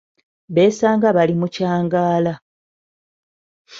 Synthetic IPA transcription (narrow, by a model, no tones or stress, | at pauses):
βe̞ːsaːŋɡaβalimucaːŋɡaːla